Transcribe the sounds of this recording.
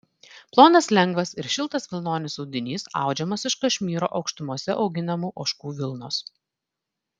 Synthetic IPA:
plˠoːnɐslʲɛŋɡʋɐsɪɾʃʲɪlˠt̪ɐsʋʲɪlˠnoːnʲɪsɔʊd̪ʲɪnʲiːsɑ̰ˑʊd͡ʒʲɛmɐsɪʃkɐʃʲmʲiːɾo̰ːʔɒʊkʃt̪ʊmuɔsʲɛʔɒʊɡʲɪnɐmuːʔoːʃkuːʋʲɪlˠnoːs

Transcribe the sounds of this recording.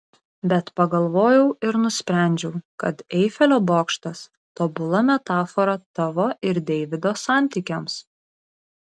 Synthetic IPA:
bʲɛt̪pɐɡɐlˠʋoːjɛʊɪɾnʊsʲpʲɾʲæˑnʲd͡ʒʲɛʊkɐt̪ɛɪfʲɛlʲoːboːkʃt̪ɐs | t̪oːbʊlˠɐmʲɛt̪ɑːfɔɾɐt̪ɐʋoːɪɾd̪ʲɛɪʋʲɪd̪oːsɑˑnʲt̪ʲikʲɛms

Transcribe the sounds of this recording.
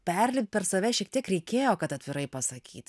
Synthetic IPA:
pʲɛɾʲlʲɪpʲpʲɛɾsɐʋʲɛʃʲiɛk̚t̪iɛkɾʲɛɪkʲeːjoːkɐt̪ɐt̪ʲʋʲɪɾɐɪpɐsɐkʲḭːt̪ʲ

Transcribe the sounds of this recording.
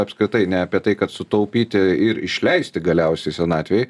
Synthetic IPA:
ɐpskɾʲɪt̪ɐɪnʲɛɐpʲiɛt̪ɐɪkɐt̪sʊt̪ɐʊpʲiːt̪ʲɪɪɾɪ̰ʃʲlʲɛɪsʲt̪ʲɪɡɐlʲɛʊsʲɛɪsʲɛnɑːt̪ʲʋʲɛj

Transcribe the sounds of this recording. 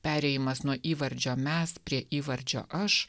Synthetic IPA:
pʲæːɾʲɛjɪmɐsnuɔʔiːʋɐɾʲd͡ʒʲoːmʲɛspʲɾʲiɛʔiːʋɐɾʲd͡ʒʲo̰ːʔɐʃ

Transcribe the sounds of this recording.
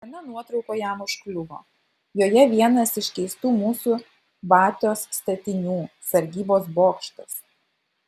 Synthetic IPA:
ɐnʲɐnuɔt̪ɾɒʊkoːjæˑmʊʃklʲʊʋo̰ː | joːjɛʋʲiɛnɐsɪʃʲkʲɛɪst̪uːmuːsu | bɑːt̪ʲoːsst̪ɐt̪ʲɪnʲuːsɐɾʲɡʲiːboːsboːkʃt̪ɐs

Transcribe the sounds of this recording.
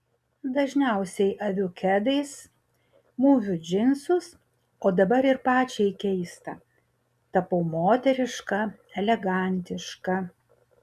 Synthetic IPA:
d̪ɐʒʲnʲɛˑʊsʲɛɪʔɐʋʲʊkʲɛd̪ɐɪs | muːʋʲʊd͡ʒʲɪnsʊs | oːd̪ɐbɐɾɪɾpɑːt͡ʃʲɛɪkʲɛɪst̪ɐ | t̪ɐpɐʊmoːt̪ʲɛɾʲɪʃkɐ | ɛlʲɛɡɐˑnʲt̪ʲɪʃkɐ

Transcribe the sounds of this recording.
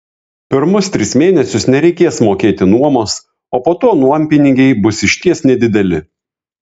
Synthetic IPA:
pʲɪɾmʊst̪ʲɾʲɪsmʲeːnʲɛsʲʊsnʲɛɾʲɛɪkʲeːsmoːkʲeːt̪ʲɪnuɔmoːs | oːpoːt̪oːnuɔmʲpʲɪnʲɪŋʲɡʲɛɪbʊsɪʃʲt̪ʲiɛsnʲɛd̪ʲɪd̪ʲɛlʲɪ

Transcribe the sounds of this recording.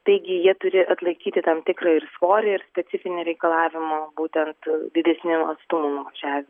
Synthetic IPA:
t̪ɐɪɡʲɪjiɛt̪ʊɾʲɪʔɐt̪lˠɐɪkʲiːt̪ʲɪt̪ɐmt̪ʲɪkɾɐɪrsʋoːɾʲɪɪɾsʲpʲɛsʲɪfʲɪnʲɛɾʲɛɪkɐlˠɑːʋʲɪmɐbuːt̪ʲɛnt̪d̪ʲɪd̪ʲɛsʲnʲɪɐst̪ʊmuːnʊʋɐʒʲæːʋʲɪm

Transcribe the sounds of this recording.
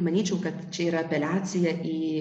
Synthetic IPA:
mɐnʲiːt͡ʃʲɛʊkɐt̪t͡ʃʲɛiːɾɐɐpʲɛlʲæːt̪sʲɪjɛʔiː

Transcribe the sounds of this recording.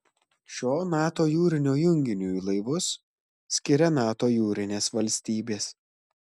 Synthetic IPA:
ʃʲoːnɑːt̪oːjuːɾʲɪnʲoːjʊŋʲɡʲɪnʲuːilˠɐɪʋʊsːʲ | kʲɪɾʲɛnɑːt̪oːjuːɾʲɪnʲeːsʋɐlʲsʲt̪ʲiːbʲeːs

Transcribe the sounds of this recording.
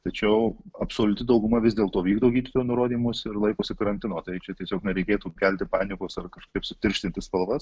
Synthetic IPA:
t̪ɐt͡ʃʲɛʊɐpsoːlʲʊt̪ʲɪd̪ɐʊɡʊmɐʋʲɪzd̪ʲeːlˠt̪oːʋʲiːɡd̪oːɡʲiːd̪ʲɪt̪ojnʊɾoːd̪ʲiːmʊsɪɾlˠɐɪkoːsʲɪkɐɾɐnʲt̪ʲɪnoːt̪ɐɪt͡ʃʲɛt̪ʲiɛsʲoːknʲɛɾʲɛɪkʲeːt̪uːkʲælʲt̪ʲɪpɑːnʲɪkʊsɐrkɐʃkkʲɐɪpsʊt̪ʲɪɾʲʃʲt̪ʲɪnʲt̪ʲɪspɐlˠʋɐs

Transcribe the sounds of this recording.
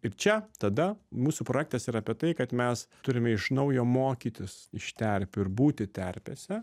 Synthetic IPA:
ɪɾt͡ʃʲɛt̪ɐd̪ɐmuːsuːpɾoːjæk̚t̪ɐsiːɾɐpʲiɛt̪ɐɪkɐt̪mʲɛst̪ʊɾʲɪmʲɛɪʃnɐʊjoːmoːkʲiːt̪ʲɪsɪʃt̪ʲɛɾʲpʲʊɪɾbuːt̪ʲɪt̪ʲɛɾʲpʲḛsʲɛ

